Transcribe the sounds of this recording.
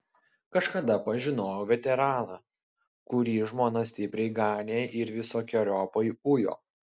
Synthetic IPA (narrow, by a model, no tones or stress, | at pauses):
kɐʃkɐd̪ɐpɐʒʲɪnoːjoːʋʲɛt̪ʲɛɾɑːnɑː | kʊɾʲiːʒmoːnɐsʲt̪ʲɪpʲɾʲɛɪɡɑːnʲeːʔɪɾʋʲɪsoːkʲoːɾʲɔːpɐɪʊjo̰ː